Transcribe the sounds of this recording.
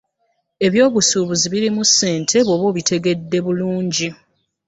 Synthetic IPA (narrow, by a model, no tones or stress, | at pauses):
e̞βjo̞ːβusuːβuziβiɾimusːe̞ːntʰe̞βoβo̞ːβitʰe̞ɡe̞dːe̞βuluːɲɟi